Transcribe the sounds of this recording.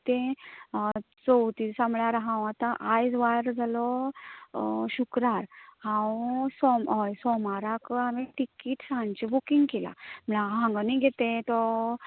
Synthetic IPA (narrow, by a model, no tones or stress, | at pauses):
t̪ẽ | t͡sowt̪isamɭjaɾɦãw̃at̪ãʔajd͡zʋajəɾd͡zʱalɔ | ɕukɾaɾhãwsɔmɔjsɔmaɾakamiʈikiːʈsãnt͡ɕibukĩŋɡkela̰m̤əɭaɦãŋɡəniɡʱet̪ẽt̪ɔ